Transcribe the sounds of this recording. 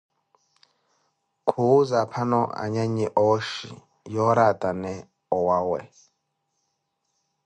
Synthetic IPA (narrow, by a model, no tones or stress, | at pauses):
kʰuzapʰanɔ̰a̰ɲaɲɛʔɔʃḭ | jɔɾatʼanɛ | ɔwawɛ̰